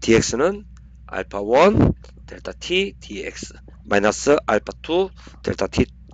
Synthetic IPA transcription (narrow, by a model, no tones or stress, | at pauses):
t̪ʰieksnən | a̰lpʰawɔn | t̪ʰelt̪ʰat̪ʰit̪ʰieks | majnasəʔalpat̪ʰu | t̪ʰḛlt̪ʰat̪ʰi